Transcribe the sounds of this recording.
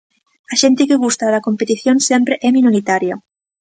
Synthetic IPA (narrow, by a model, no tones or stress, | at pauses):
aʃent̪ekeɣ̞ust̪aðakompet̪iθjonsempɾeʔɛmĩnoɾit̪aɾjo